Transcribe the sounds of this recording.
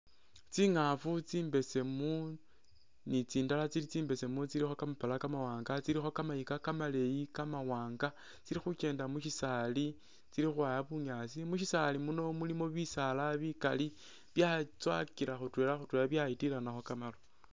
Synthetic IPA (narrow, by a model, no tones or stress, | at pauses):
t͡siːŋafut͡siːmbe̞se̞mu | nit͡siːndalat͡silit͡siːmbe̞se̞mut͡silixo̞kamapalakamawaːŋɡat͡siɾixo̞kamajikakamale̞jikamawaːŋɡa | t͡siɾixut͡ʃe̞ːndamuʃisali | t͡siɾixuaːjaβuɲasimuʃisalimuno̞mulimo̞βisalaβika̰li | βjat͡swa̰kiɾaxutwe̞ːlaxutweːlaβjaitilanaxo̞kamalo